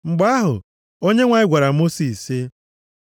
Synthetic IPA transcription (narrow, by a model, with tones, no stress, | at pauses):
ŋ͡m̩˨ɡ͡ba˦ɦʊ̰˨ | o˦ɲe˦ŋʷa˨ɪ˦ɡʷa˨ɾa˨mo˦si˨sɪ˦